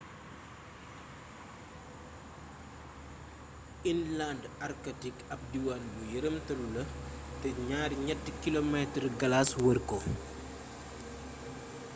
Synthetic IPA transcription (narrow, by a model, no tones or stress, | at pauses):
inlandɐrkɐtikɐp̚diwanbujəɾəmtɐlulɐtɛɲaːɾɲɛtːkilomɛtrɡɐlaswərkɔ